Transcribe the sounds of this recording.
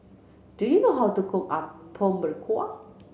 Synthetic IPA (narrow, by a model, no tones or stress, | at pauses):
d̥ujunoɦawtukʰʊka̰ppʰõmbəɹkʰɔ